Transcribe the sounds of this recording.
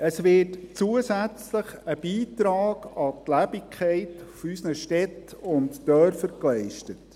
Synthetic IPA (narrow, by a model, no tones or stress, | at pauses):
əsʋɪtt͡suəsæt͡sləχəb̥iːtɾɑːɡ̥ɑtlæbɪkχɛɪtfysnəʃtɛtʊntːœɾfəɾklɛɪʃtət